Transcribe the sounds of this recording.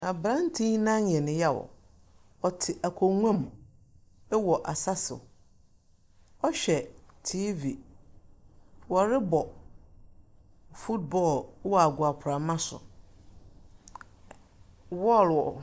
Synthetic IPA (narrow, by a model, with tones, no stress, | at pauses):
a˨bɾã˦n˦tʰĩ˦nã˦ɲ˨ɛ̃˨nɪ̃˨ja˦˨wɔ̰˨ | ɔ˨tʰɪ˨ʔa˨kʰɔ˨ŋʷ˦ã˦m | ɛ˦wɔ˨ʔa˨sa˦sɪ̰˨ | ɔ˦ɕᶣɛ˨tʰi˦vi˨ | wɔ˨ɾɪ˦bɔ˨ | fu˦t̚bɔ˦˨lwɔ˨a˨ɡʷʊ˨a˨pʰʊ˨ɾa˨mã˦sʊ̰˨ | wɔ˦˨lwɔ˨